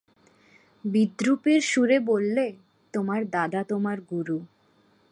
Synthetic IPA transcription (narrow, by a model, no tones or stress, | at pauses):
bid̪ɾupeɾʃuɾebolːe | t̪omaɾd̪ad̪at̪omaɾɡuɾu